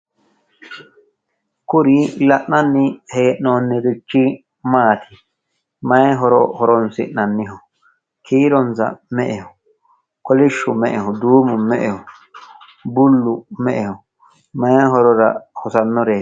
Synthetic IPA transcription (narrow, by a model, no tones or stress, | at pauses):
kʊɾɪlɐʔnɐnːɪheːʔnoːnːɪɾɪt͡ʃːɪ | maːt̪ʰɪ̥ | mɐjɛɦɔɾɔ̰hɔɾɔnsɪnɐnːɪɦɔ | kʰiːɾɔnsɐ̰mɛʔɛhɔ | kɔlɪʃːʊmɛʔɛhɔd̪uːmʊmɛʔɛhɔ | bʊlːʊmɛʔɛhɔ | mɐjɦɔɾɔɾɐ̰hɔsɐnːɔɾeː